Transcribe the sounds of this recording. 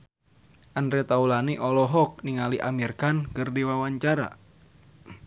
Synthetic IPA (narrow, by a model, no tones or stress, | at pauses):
ʔandɾɛt̪aulaniʔɔlɔɦɔk̚niŋaliʔa̰mirkankɨrdiwawaɲt͡ʃaɾa̰